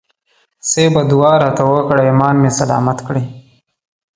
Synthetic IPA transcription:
sebad̪ʊwɑɾɑt̪awəkɽaimɑːnmesalɑ̰mat̪kɽi

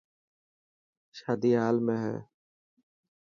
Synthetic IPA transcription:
ʃaːd̪iːɦaːlmẽːɦɛ̰ː

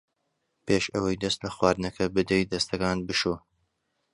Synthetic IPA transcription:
peːʃɐwɐjd̪ɐst̪lɐxwɑːɾd̪ɨnɐkʰɐbɨd̪ejd̪ɐst̪ʰɐkaːnbɨʃoː

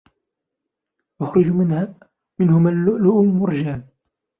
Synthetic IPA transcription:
waxɾʊd͡ʒmɪnhaː | mɪnhʊmallʊʔʊmʊɾˤd͡ʒaːn

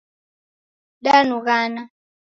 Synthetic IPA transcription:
ɗanuɣana

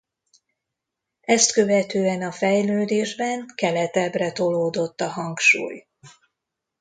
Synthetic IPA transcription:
ɛst̪kø̞vɛt̪øːɛnɒfɛjløːd̪eːʒbɛŋkɛlɛt̪ɛbrɛt̪oloːd̪o̞t̪ːɒɦɒŋkʃṵːj

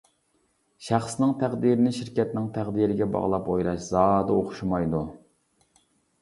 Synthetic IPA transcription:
ʃæχsnɪŋt̪ʰæʁd̪iɾɪnɪʃiɾkʲɛt̪nɪŋt̪ʰæʁd̪iɾɪɡʲɛbɑ̰ʁlˠɑpojɾɑʃz̥ɑːd̪ɨoχʊʃumɑjd̪u

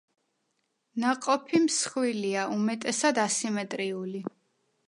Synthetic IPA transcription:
naqʼɔpʰimsχwiliaʔumɛt̪ʼɛsad̪asimɛt̪ʼɾiuli

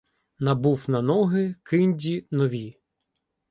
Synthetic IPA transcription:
nɐbuwnɐnɔɦɪkʰɪnʲdʲinɔʋʲi

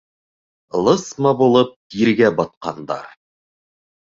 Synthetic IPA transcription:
lˠɤsmɑbulˠɤp̚t̪iɾɡæbɒt̪̚qɑ̰nd̪ɑ̰ɾ

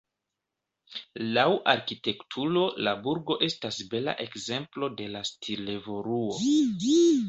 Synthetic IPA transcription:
lawʔaɾkite̞ktʰulo̞labuɾɡo̞ʔe̞stasbe̞la̰ʔe̞kze̞mplo̞de̞lastʰile̞vo̞ɾuo̞

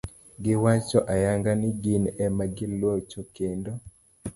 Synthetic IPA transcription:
ɡɪwat͡ʃɔʔajaŋɡanɪɡinɛmaɡɪlwot͡ʃokendo

